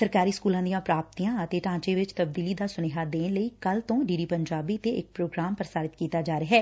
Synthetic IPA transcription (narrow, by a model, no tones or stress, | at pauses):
səɾkaːɾiːskuːlãːd̪ijãːpɾaːp̚t̪ijãːət̪eːʈãːt͡ʃeːʋɪt͡ʃt̪əbd̪iːliːd̪aːsʊneːɦaːd̪eːnləiːkəlt̪õːɖiːɖiːpəɲd͡ʒaːbiːt̪eʔɪk̚pɾoːɡɾaːmpəɾsaːɾɪt̪kiːt̪aːd͡ʒaːɾeːɦɛː